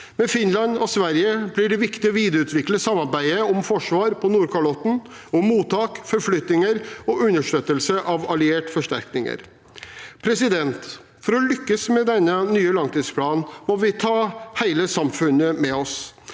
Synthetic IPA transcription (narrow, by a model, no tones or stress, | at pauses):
mɛfɪnlɑnɔsʋæɾjəblɪɖɛʋɪkt̪ɪɔʋiːd̪əɾʉːt̪ʋɪkləsɑmːɑɾbæɪəɔmfɔʂʋɑːɾpʰɔnuːɾkʰɑɭɔt̪ːn̩ | ɔmːuːt̪ɑːkfɔɾflʏt̪nɪŋəɾɔʉnːəʂʈøːt̪əlsəʔɑʋɑlɪeːʈfɔʂʈæɾknɪŋə̰ɾ | pʰɾɛsɪd̪ɛnt̪ | fɔɾɔlʏkːəsmɛd̪ɛnːənyːəlɑŋt̪iːspʰlɑːnmɔʋɪt̪ʰɑːhæɪləsɑmfʉnːəmɛɔs